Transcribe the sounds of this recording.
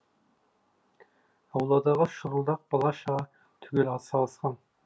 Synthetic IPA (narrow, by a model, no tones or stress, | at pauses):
ɑwlˠɑːd̪ɑʁɑʃuɾulˠd̪ɑq̚b̥ɑlˠɑʃʁɑ | t̪ʰyɡʲylɑsɑlˠsqɑn